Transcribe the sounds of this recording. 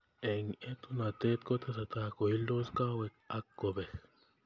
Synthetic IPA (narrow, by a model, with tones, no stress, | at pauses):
e˨ŋet̪ona˨t̪e˦t̪̚ko˦t̪asa˨t̪a˦ko˨hi˦lːo˦ska˦wekakːobe